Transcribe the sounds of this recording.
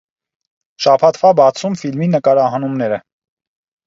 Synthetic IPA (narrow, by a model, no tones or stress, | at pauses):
ʃɑpʰɑt̪ʰvɑbɑt͡sʰumfilminəkɑɾɑɦɑnumnɛɾə